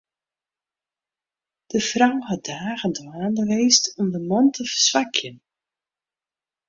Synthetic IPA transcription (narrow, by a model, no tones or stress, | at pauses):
d̥əfrawhɑdaːɣəndwaːndəʋeːstɔmdəmɔntʰəvəsʋakʰjən